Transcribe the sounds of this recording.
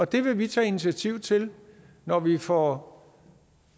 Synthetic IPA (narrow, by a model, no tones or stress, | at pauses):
ɒ̽d̥e̝ʋe̝ʋit͡sʰɛ̰ːinit͡sʰiæt͡sʰiʊ̰t͡sʰe̝l | nɒʋifɒ